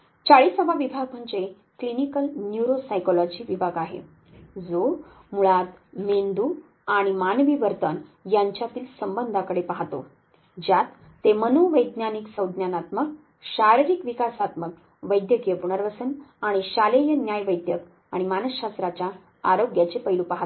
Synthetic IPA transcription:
t͡ɕaɭiːsəbʱaʋibʱaɡ̚m̤ʱəɳt͡ɕe | klinikəlnjuɾosajkɔlɔd͡ʑiʋibʱaɡaɦḛ | d͡zo | muɭat̪mend̪u | aɽ̃imanʋiːʋəɾt̪ənjaɲt͡ɕjat̪iːlsəmbənd̪ʱakəɽepaɦt̪o̰ | d͡ʑjat̪ː | emənoʋəjd̪njaniksəwd̪ʱnjanat̪mək̚ | ɕaɾiɾikʋikasat̪mək̚ | ʋəjd̪jəɡjəpuɽ̃əɾʋəsənaɽ̃iɕalejənjajʋəjd̪jək | aɽ̃imanəɕɕast̪ɾat͡ɕa | aɾoɡjat͡ɕepəjlupaɦat̪

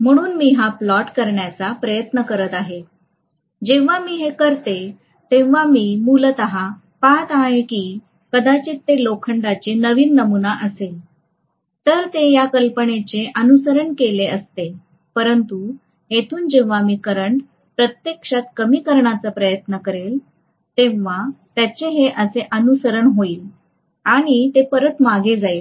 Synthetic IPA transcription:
m̤əɽ̃uːnmiːɦaplɔʈkəɾɳjat͡sapɾəjət̪nəkəɾət̪aɦe | d͡ʑeʋ̤amiːɦekəɾt̪e | t̪ẽʋ̤amiːmult̪əɦa | pat̪aɦekiː | kəd̪at͡ɕiːt̪ːelokʰəɳɖat͡ɕenəʋiːnːəmunaʔəsel | t̪əɾt̪ejakəlpəɳet͡seʔənusəɾəɳkeleəst̪e | pəɾənt̪u | ɦet̪ʰuːnd͡ʑeʋ̤amiːkəɾəɳ | pɾət̪jekʂat̪̚kəmiːkəɾɳat͡səpɾəjət̪nəkəɾel | t̪ẽʋʋat̪jat͡ɕeɦeʔəseʔənusəɾəɳɦoiːl | aɽ̃it̪epəɾət̪maɡed͡zail

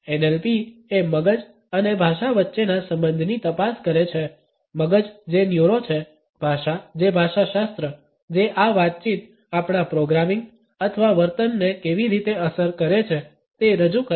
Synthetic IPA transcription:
enelpieməɡəd͡ʒ | ənebʱaʃaʋətːʃenasə̃mbənd̪ʱnit̪əpaskəɾet͡ʃʰe | məɡəd͡ʒd͡ʒenjuɾot͡ʃʰe | bʱaʃad͡ʒebʱaʃaʃast̪ɾə | d͡ʒeʔaʋat̪̚t͡ʃit̪ | apɳ̃apɾoɡɾamiŋɡ | ət̪ʰəʋaʋəɾt̪ənːekeʋiɾit̪eəsəɾkəɾet͡ʃʰe | t̪eɾəd͡ʒukə

